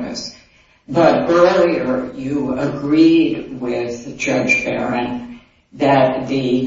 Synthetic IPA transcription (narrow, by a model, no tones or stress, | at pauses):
kɨ̰s | bʌtɜ˞lˠiə˞jɨəɡɹidwɪðd͡ʒʌd͡ʒbɛɹɨ̃n | ðɨt̪̚ðɨ